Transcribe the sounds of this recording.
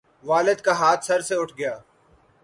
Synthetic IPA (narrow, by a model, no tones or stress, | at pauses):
ʋaːlɪd̪kaɦaːt̪ʰsɐɾseʊʈʰɡɐjaː